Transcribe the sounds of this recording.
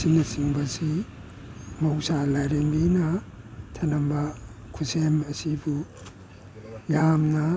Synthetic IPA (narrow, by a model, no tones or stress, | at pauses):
sinɐsiŋbɐsi | mɐwsalajɾembinɐ | tʰɐnɐmbɐkʰusemɐsibu | jamnɐ